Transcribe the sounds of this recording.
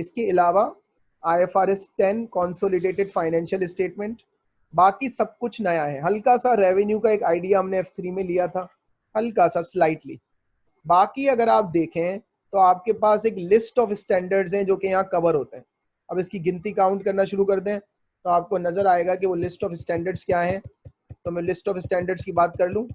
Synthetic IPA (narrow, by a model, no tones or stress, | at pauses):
ɪskeɪlaːʋa | aːefaːɾɛsʈɛnkɔːnsoːlɪɖeːʈɪɖfaːɪnɛ̃ːnʃəlɪsʈeːʈmɛ̃ɳʈ | baːkisɐb̚kʊt͡ʃʰnɐjaɦɛɦɐlkasaɾɛːʋɛnjukaeːkaːɪɖijaɦɐmneɛːft̪ʰɾiːmẽlijat̪ʰaː | hɐlkasaslaːɪʈlḭː | baːkiɐɡəɾaːp̚d̪eːkʰẽɦɛ̃ | t̪oaːp̚kepaːseːklɪsʈɔːfɪsʈɛ̃ːɳɖəɾɖzɦɛ̃d͡ʒoːkejɐɦãkɐbəɾɦoːt̪eɦɛ̃ | ɐbɪskiɡɪ̃nt̪ikãːʊ̃ɳʈkɐɾnaʃʊɾukɐɾt̪ẽɦɛ̃ | t̪oaːp̚konɐzəɾaːeːɡakiʋolɪsʈɔːfɪsʈɛ̃ːɳɖəɾɖz̥kjaːɦɛ̃ | t̪omɛ̃lɪsʈɔːfɪsʈɛ̃ːɳɖəɾɖz̥kibaːt̪̚kɐɾlũː